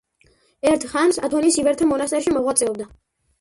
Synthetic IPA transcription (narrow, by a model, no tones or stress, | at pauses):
ɛɾt̪ʰχansa̰t̪ʰɔnisivɛɾt̪ʰamɔnast̪ʼɛɾʃimɔʁwat̪sʼɛɔb̚d̪a